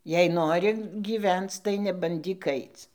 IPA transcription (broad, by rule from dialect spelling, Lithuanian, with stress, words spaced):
jɛɪ ˈnoːrʲɪ ɡʲiːˈʋʲɛnt͡s tɐɪ nʲɛbɐnʲˈdʲiːk ˈɐɪt͡s